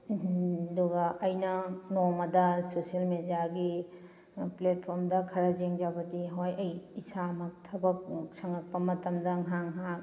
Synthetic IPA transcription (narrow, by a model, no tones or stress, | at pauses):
duɡɐʔːjnɐnomɐdɐsosiɐlmediaɡi | plet̚pʰoɾmdɐkʰɐɾɐd͡ʒeŋd͡ʒabɐdiɦojɐjisamɐk̚tʰɐbɐk̚sɐŋɐk̚pɐmɐtɐmdɐŋɦaŋɦa